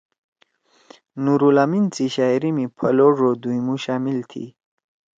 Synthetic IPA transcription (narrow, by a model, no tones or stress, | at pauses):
nuɾulamint͡siɕaɾimipʰaloʐod̪ujmuɕamɪlt̪ʰḭ